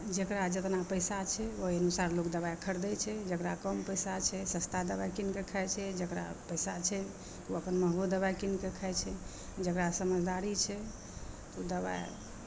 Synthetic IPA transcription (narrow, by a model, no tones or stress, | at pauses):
d͡ʒekɾad͡ʒət̪napəjsat͡ʃʰɛoiənusaɾlokd̪əβajkʰəɾd̪ɛt͡ʃʰɛd͡ʒəkɾakəmpəjsat͡ʃʰɛsə̃st̪ʰad̪əbajkinkekʰəɛt͡ʃʰɛd͡ʒəkɾa̰pəjsat͡ʃʰɛ | uəpənməɦbud̪əβajkinkekʰaɛt͡ʃʰɛ | d͡ʒəkɾasəməd͡ʒʱd̪aɾit͡ʃʰɛ | t̪od̪əβa̰j